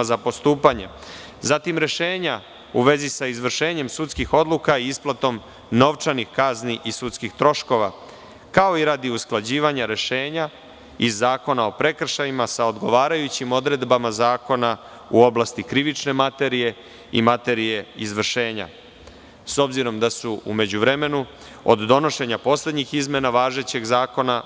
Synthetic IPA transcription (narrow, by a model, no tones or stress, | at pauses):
zapo̞st̪uːpaɲḛ | zat̪imɾe̞ʃe̞ːɲa | uʋe̞zisaizʋr̩ʃe̞ːɲe̞msut̪skixo̞d̪lˠukaiisplˠat̪o̞m | no̞ʋt͡ʃanixkazniʔisut̪skixt̪ɾo̞ʃko̞ʋa | kao̞iɾaːd̪iusklˠad͡ʑiːʋaɲaɾe̞ʃe̞ːɲa | izːaːko̞nao̞pɾe̞kr̩ʃajimasao̞d̪ɡo̞ʋaːɾajut͡ɕimo̞d̪ɾe̞d̪bamazaːko̞na | uo̞blast̪ikɾiʋit͡ʃne̞mat̪e̞ɾije̞ | ḭmat̪e̞ɾije̞izʋr̩ʃe̞ːɲa̰ | so̞bziɾo̞md̪asuṵme̞d͡ʑuʋɾe̞me̞nu | o̰d̪d̪o̞no̞ʃe̞ɲapo̞sle̞d̪ɲixizme̞naʋaːʒe̞t͡ɕe̞ɡzaːko̞na